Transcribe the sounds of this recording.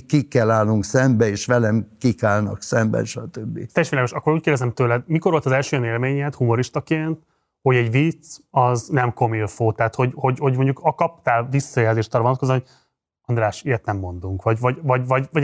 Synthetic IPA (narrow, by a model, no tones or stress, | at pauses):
kikːɛlːaːlːuŋksɛmbɛeːʃʋɛlɛmkikaːlnɒ̰ksɛmbɛ̰nʃɒt̪øbːḭt̪ɛjɛʃʋilaɡo̞ʃɒkːo̞ɾuːc̚keːrdɛzɛmt̪øːlɛd̪mikoɾʋo̞lt̪ɒzɛlʃøːjɛneːlmeːɲɛt̪humo̞ɾiʃt̪ɒkeːnt̪ | ho̞ɟɛɟʋit̪sɒznɛmko̞milfoːt̪aːt̪ho̞ɟho̞ɟho̞ɟmo̞ɲɟukɒkɒp̚t̪aːlvisːɒjɛlzeːʃt̪ɒːrːvont̪̚kozɒmɦo | ɒnd̪raːʃeːrt̪nɛmːo̞nd̪uŋkʋɒɟvɒɟvɒɟvɒɟvɒ